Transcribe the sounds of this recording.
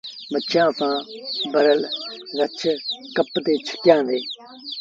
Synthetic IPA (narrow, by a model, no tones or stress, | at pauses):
mət͡ʃʰãːsãːbəɾəlɾət͡ʃʰkəpt̪eːt͡ʃʰə̥ʈjãːd̪eː